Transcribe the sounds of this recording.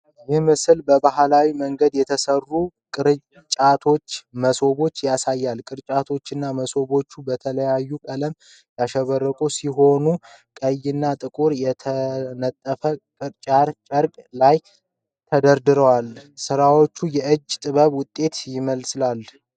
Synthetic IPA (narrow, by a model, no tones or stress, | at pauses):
jɪhmɨsɨlbəbahalawiməŋɡəd̪jɛt̪ʰəsərːukʼɨɾ | t͡ʃʼat̪ʰo̞t͡ʃːməso̞βo̞t͡ʃːjasajːalkʼɨɾt͡ʃʼat̪ʰo̞t͡ʃːɨnːaməso̞βo̞t͡ʃːubət̪ʰələjajːukʼələm | jaʃɛβərːəkʼusiɦo̞nukʼəjːɪnːat̪ʼɨkʼuɾjɛt̪ʰənət̪ʼːəfəkʼɨɾt͡ʃʼaɾt͡ʃʼəɾkʼlaj | t̪ʰəd̪əɾd̪ɨɾəwalsɨɾawo̞t͡ʃːujɛʔɨd͡ʒːt̪ʼɨβəβwʊt̪ʼːe̞t̪jɪməlslal